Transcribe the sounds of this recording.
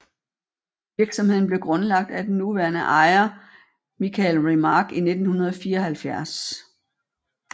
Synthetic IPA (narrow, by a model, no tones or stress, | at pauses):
ʋiɐɡ̥sɒ̽mɦe̝ð̞̰ˠn̩ble̝ɡ̥ʁɔ̽nlɑ̈ɡ̥̚d̥æd̥enːuʋæɐnəʔɑ̈ɪɐ | mikʰælʁimɑːɡ̥ine̝d̥n̩hunɐð̞̩ˠɒfiːɐɒhælfjæɐ̰s